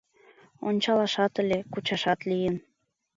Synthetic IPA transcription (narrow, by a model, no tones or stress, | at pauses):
onʲt͡ɕɑlɑʃɑt̪əlʲekut͡ɕɑʃɑt̪lijən